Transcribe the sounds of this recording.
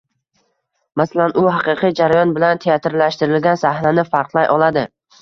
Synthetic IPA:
masalanʔʊɦɑqɨqʰijd͡ʒaɾajɒnbɪlant̪ʰeat̪ɾlaʃt̪ɪɾɪlɡʲansahnanɪfaɾqlˠajʔɒlˠad̪ɪ

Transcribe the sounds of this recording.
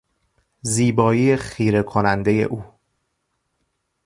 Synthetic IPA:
ziːbɒːiːexiːɾe̞kʰonænd̪e̞je̞̰ʔuː

